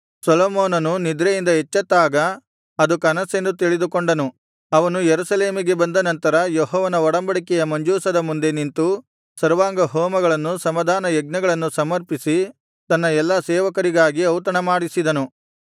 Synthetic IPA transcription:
sɐlɔːmoːnɐnunid̪ɾejind̪ɐɦet͡ʃːɐt̪ːaːɡɐ | ɐd̪ukɐnɐse̞nd̪ut̪iɭid̪ukoɳɖɐnu | ɐʋɐnujeɾusɐle̞ːmiɡe̞bɐnd̪ɐnɐnt̪ɐɾɐjɔɦɔːʋɐnɐɔɽɐmbɐɽikɛjɐmɐɲd͡ʒuːsɐd̪ɐmund̪e̞nint̪u | sɐɾʋaːɡɐɦɔːmɐɡɐɭɐnːusɐmɐd̪ʱaːnɐjɐɡnɐɡɐɭɐnːusɐmɐɾpisi | t̪ɐnːɐɛlːasɛːʋɐkɐɾiɡaːɡiɐwt̪ɐɳɐmaːɽisid̪ɐnu

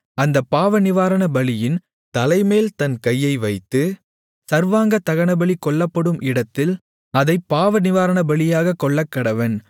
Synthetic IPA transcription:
ɐnd̪ɐpːaːʋɐnɪʋaːɾɐɳɐbɐɭɪjɪn | t̪ɐlɐɪmeːlt̪ɐnkɐjːɐɪʋɐɪt̪ːɯ | sɐɾʋaːŋɡɐt̪ɐɣɐɳɐbɐɭikːɔɭːɐpːɐɽɯmʔɪɽɐt̪ːɪl | ɐðɐɪpːaːʋɐnɪʋaːɾɐɳɐbɐɭɪjaːɣɐkːɔɭːɐkːɐɽɐʋɐn

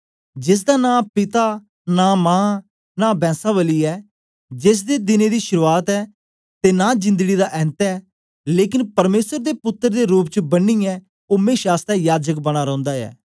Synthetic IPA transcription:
d͡ʒɪs̬d̪aːnãːpɪt̪aː | naːmãː | naːbɛ̃ːsaːʋəliːɛː | d͡ʒɪs̬d̪eːd̪ɪneːd̪iːʃʊɾuːaːt̪ɛː | t̪eːnaːd͡ʒɪ̃nd̪əɡiːd̪aːʔɛːnt̪ɛː | leːkɪnpəɾmeːsəɾd̪eːpʊt̪ːəɾd̪eːɾuːp̚t͡ʃəbəniːɛː | oːmẽːʃaːst̪ɛ̃ːjaːd͡ʒək̚bəɽ̃aːɾə̃ːnd̪aːɛ̰ː

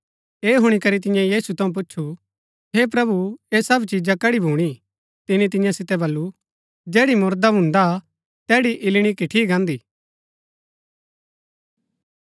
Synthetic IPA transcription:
eːɦʊɽ̃ikɐɾit̪̬ɪ̃jãjiːsut̪ʰɐũp̬ʊtːʃʰu | ɦeːp̬ɾɐbueːsɐbt͡ʃid͡ʒakɐɽibʱuːɽ̃i | t̪ɪnit̪ɪ̃jãsɪt̪ɛbɐlːu | d͡ʒɛːɽimʊɾd̪abʱʊ̃nd̪a | t̪ɛːɽiʔɪlɽ̃ikɪʈʰiːɡãːnd̪iː

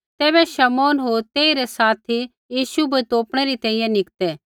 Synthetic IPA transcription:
t̪ɛːβɛʃɐmɔːnɦoːɾt̪eːiɾɛsaːt̪ʰi | jiːʃubɐt̪oːpɽ̃ɛɾit̪ɛ̃ːɪ̃jɛ̃nɪkt̪ɛ

